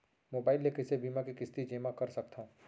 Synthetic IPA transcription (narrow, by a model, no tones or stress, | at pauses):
moːbaːɪlːekɪsebiːmãkikɪst̪id͡ʒeːmakɐɾsɐk̚t̪ã